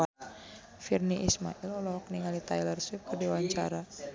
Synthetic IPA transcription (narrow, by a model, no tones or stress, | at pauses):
a | firniʔisma̰ʔilɔlɔkniŋalit̪ailərsip̚kərdiwaɲt͡ʃaɾa